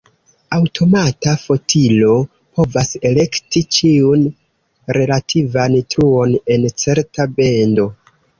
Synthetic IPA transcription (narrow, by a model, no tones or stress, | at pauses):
awtʰo̞matafo̞tʰilo̞ | po̞vase̞le̞ktit͡ʃiun | ɾe̞latʰivantɾuo̞ne̞nt͡se̞ɾtabe̞ndo̞